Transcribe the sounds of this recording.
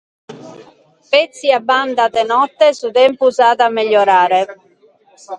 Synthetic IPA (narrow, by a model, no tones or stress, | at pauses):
pɛt̪sːiabːand̪ad̪enɔt̪ːesut̪ɛmpusaːt̪amːeʎːoɾaːɾe